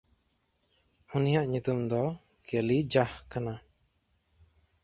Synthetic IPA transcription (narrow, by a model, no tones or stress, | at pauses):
unijaʔɲut̪umd̪ɔ | kelid͡ʒahkana